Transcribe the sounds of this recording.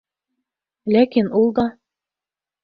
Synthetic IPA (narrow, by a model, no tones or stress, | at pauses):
lækinulˠd̪ɑ